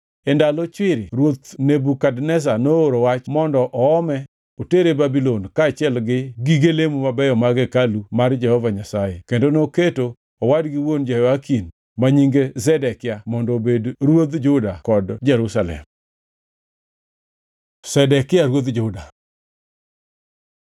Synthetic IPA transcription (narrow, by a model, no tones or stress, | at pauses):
ɛndalot͡ʃɪɾɪɾwot̪nebukadnɛs̬anooɾowat͡ʃmɔndɔʔɔːmɛ | oteɾebabilonkaːt͡ʃɪɛlɡɪɡiɡelemumabɛjɔmaɡɛkalumard͡ʒɛhɔvaɲasajekendonoketo | ɔwadɡɪwond͡ʒɛhɔvakin | maɲiŋɡezɛdɛkɪamɔndɔbedɾwot̪d͡ʒʊdakɔdd͡ʒɛɾusalɛ̰m | sɛdɛkɪaɾwot̪d͡ʒʊda